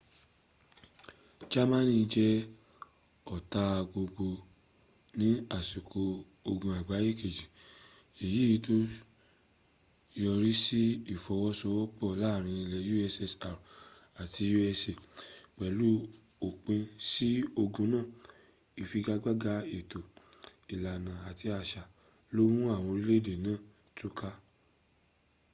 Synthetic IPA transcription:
d͡ʒa˦mã˦nĩ˦˧d͡ʒɛ˦ | ɔ˨ta˧ɡ͡bo˧ɡ͡bo˧ | nĩ˦a˦˨su˨kʰo˧ | o˧ɡũ˧a˨ɡ͡ba˨˦ji˦˨ke˨d͡ʒi˨ | e˨ji˨˦ji˧˦to˦ | jɔ˧ɾi˦si˦i˦˨fɔ˧wɔ˦sɔ˧˦wɔ˦k͡pɔ˦˨la˦˨ɾ̃ĩ˧i˧lɛ˧ju˦ɛ˧sɛ˧sa˨ɾa˨ti˧ju˦ɛ˧se˨k͡pɛ˨lu˨˦ | o˨k͡pẽ˧si˦o˧ɡũ˧nãː˦˨ | i˨fi˧ɡa˧ɡ͡ba˦ɡa˧˦e˨to˨i˨la˨nã˨a˨ti˧a˧ʃa˧ | lo˦mũ˦a˦˨w̃ɔ̃˧ɾi˦le˦˨de˨nãː˦˨ | tu˦ka˦

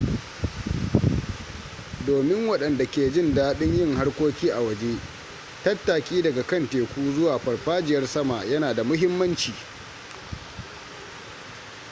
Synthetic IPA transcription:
doː˨mɪ˦ŋwɐ˦˨ɗɐ˨nda˨kʲeː˨d͡ʒɪ˦˨ndaː˦ɗɪ˦ɲjɪ˦ŋɦa˦rkʷoː˦kʲiː˦ʔa˨wɐ˨d͡ʒe˦ | tɐ˦tːaː˨kʲiː˦dɐ˨ɡa˨kɐ˦nteː˨kʷuː˦zʊ˦waː˨ɸɐ˨ɽɸaː˦d͡ʒɪ˨jɐ˦rsɐ˦ma˨jɐ˦naː˨da˨mʊ˦ɦɪ˦mːɐ˦nt͡ʃiː˨

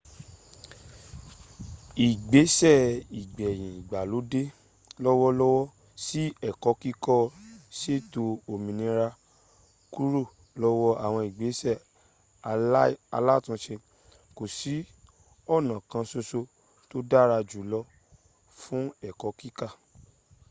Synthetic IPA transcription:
i˨ɡ͡be˨˦sɛ˦˨i˨ɡ͡bɛ˨j̃ĩ˨i˨ɡ͡ba˨lo˨˦de˦ | lɔ˦wɔ˦lɔ˦wɔ˦ | si˦ɛ˦˨kɔ˨˦ki˦kɔ˦se˦˨to˧o˨mĩ˨nĩ˨˧ɾa˧ | ku˦ɾo˦˨ | lɔ˦wɔ˦a˦˨w̃ɔ̃˧i˨ɡ͡be˨˦sɛ˦˨˧ | a˧la˦˨tũ˧˦ʃe˧ | ko˨si˨˦ | ɔ˦˨nã˨kã˧so˧so˧ | to˦da˦˨ɾa˧d͡ʒu˨˦lɔ˧˦ | fũ˦ɛ˦˨kɔ˨˦ki˦ka˦˨

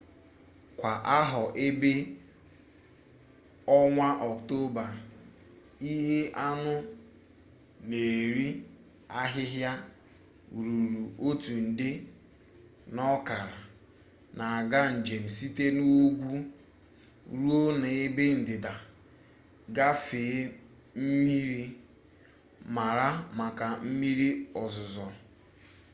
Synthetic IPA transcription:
kʷa˨ʔa˦ɦɔ˨ʔe˦be˦ | ɔ˦ŋʷa˦ʔɔ˨kto˦ba˨ɾ | i˦ɦe˦ʔa˦nʊ˦ | ne˨ɾi˦ | a˦ɦɪ˦ɦja˦ | ɾu˨ɾu˨ʔo˦tu˨n̩˨dɪ˦ | nɔ˦ka˨ɾa˨ | na˨a˨ɡa˦n̩˨d͡ʒe˨m̩˨si˦te˦no˦o˦ɡʷu˦ | ɾu˦o˦ne˨ɪ˦be˦n̩˨dɪ˨da˨ | ɡa˦fe˨˦ | m̩˦mi˦ɾi˦ | ma˨ɾa˦ma˨ka˨m̩˦mi˦ɾi˦ɔ˨zʊ˨zɔ˨

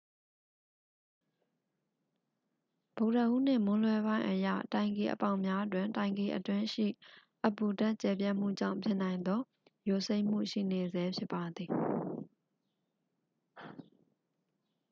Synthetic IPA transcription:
b̥o˨ʊtə˨ʔṵ˦˨n̥ɪ̰̃˦˨mʊ̃˦lwɛ˦βã˦ɪ̃ʔəjä̰˦˨tã˨ɪ̃ŋke˨ʔə˨pã˦˨ʊ̃mja˦ʔtwɪ̃˨ntã˨ɪ̃ŋke˨ʔətwɪ̃˦ʃḭ˦˨ʔə˨pu˨ta˦ʔt͡ɕɛ˨p̬ja˦˨m̥ṵ˦˨d͡ʑã̰˦˨ʊ̃mpʰjɪ˦ʔnã˨ɪ̃nd̪ɔ˦ | jo˨se˦ɪʔm̥ṵ˦˨ʃḭ˦˨ne˨zɛ˦pʰjɪ˦pːa˨d̪ði˨

